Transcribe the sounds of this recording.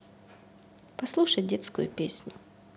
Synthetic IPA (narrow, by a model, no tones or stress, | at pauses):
pɐslˠuʂəjdʲet̪skʊ̰jʊ̰pʲesʲnʲʊ